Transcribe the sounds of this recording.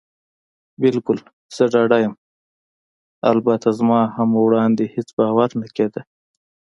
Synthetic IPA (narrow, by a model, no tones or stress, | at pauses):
bɪlkʊl | z̥əɖɑɖajəm | a̰lbat̪azmɑhamwɽɑnd̪ehet͡sbɑwaɾnaked̪ə